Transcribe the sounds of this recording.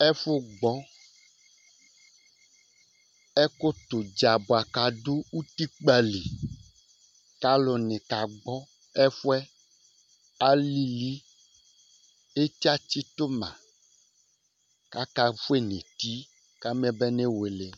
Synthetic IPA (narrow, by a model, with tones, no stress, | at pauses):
ɛ˦fo˦ɡ͡bɔ˦ | ɛ˦ko˦t̪o˨d͡ʒa˨bo˨a˨ka˨do˦u˦t̪i˦k͡pa˨li˨ | ka˦lo˨nẽ˨ka˨ɡ͡bɔ˦ | ɛ˦fu˦ɛ˦ | a˦li˦li˦ | e˦t̪i˦a˦t͡ɕi˦t̪o˦mã̰˨ | ka˦ka˦ɸu˦e˦nḛ̃˨t̪i˦ | ka˦m˦ɛ˦bɛ˦nẽ˦we˨le˨